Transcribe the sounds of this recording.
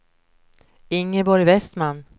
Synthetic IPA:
ɪŋːəbɔɾjvɛst̪manː

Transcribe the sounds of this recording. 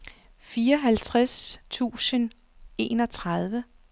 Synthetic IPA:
fiːɐɒɦælt͡sʰʁast͡sʰṵːsən | e̝ːnɒ̽t͡sʰʁɑð̞ˠʋə

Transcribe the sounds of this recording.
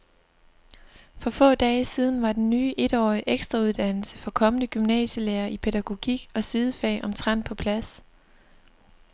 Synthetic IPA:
fɒ̽fɔ̰̽ːd̥ɛːsið̞ˠn̩ʋɑ̈d̥enːyːʔe̝d̥ɒ̰ːiʔeɡ̥sd̥ʁɑ̈uð̞ˠd̥æn̰l̩səfɒ̽kʰɒ̽mənəɡ̥ymnɛ̰ːɕəleːɐʔipʰe̝dæɡ̥o̝ɡ̥iɡ̥ɒ̽sið̞ˠəfɛ̰ːʔɒ̽mt͡sʰʁɑn̰pʰɒ̽pʰlæs

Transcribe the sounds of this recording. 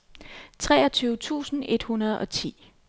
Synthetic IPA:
t͡sʰʁɛ̰ːɐt͡sʰyːʊət͡sʰṵːsn̩e̝d̥hunɐð̞̩ˠɒ̽t͡sʰḭː

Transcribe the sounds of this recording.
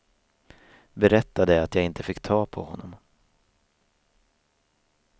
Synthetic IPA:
bɛɾɛt̪ːad̪əat̪jɑːɡɪnt̪əfɪkːt̪ʰɑːpʰɔ̰hɔnːɔm

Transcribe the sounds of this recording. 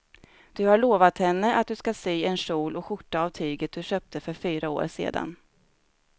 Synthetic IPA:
d̪̥ɵhaɭoːvat̪hɛnːəʔat̪̚d̪ɵskaseːɛnʂuːlɔɧʊʈːaːvt̪ʰyːɡət̪̚d̪ɵɕøːp̚t̪ʰəfœɾfyːɾao̰ːɾsḛːd̪a̰n

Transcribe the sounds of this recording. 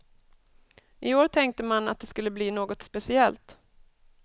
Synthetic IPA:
ʔɪoːɾʈ̪ʰɛŋk̚t̪əmana̰t̪̚d̪ɛskɵlːəbliːnoːɡɔt̪spɛsɪɛlt̪

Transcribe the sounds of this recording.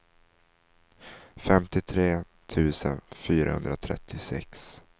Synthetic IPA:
fɛmt̪ɪt̪ʰɾeː | t̪ʰʉ̟ːsə̰nfyːɾa̰hɵ̰nd̪ɾat̪ʰɾɛ̰t̪ʰːɪsɛ̰ks

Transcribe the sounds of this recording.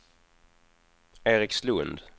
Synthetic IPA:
eːɾɪkslɵnd̪

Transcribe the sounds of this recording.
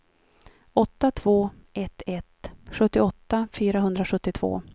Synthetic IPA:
ɔt̪ːat̪ʰv̥oːʔɛt̪ʰɛt̪ɧɵt̪ːɪɔt̪ːafyːɾaɦɵnd̪ɾaɧɵt̪ːɪt̪ʰv̥o̰ː

